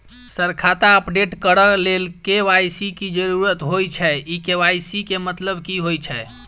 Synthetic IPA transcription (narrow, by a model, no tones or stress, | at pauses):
səɾkʰat̪aəpɖeʈkəɾəlelkeʋajsikid͡ʒəɾuɾət̪ɦojt͡ʃʰɛikeʋajsikemət̪ləbʱkiɦojt͡ʃʰɛ